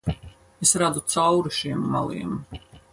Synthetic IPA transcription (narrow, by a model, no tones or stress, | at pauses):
esɾad̪ut̪sawɾiʃiɛmːa̰lˠḭːm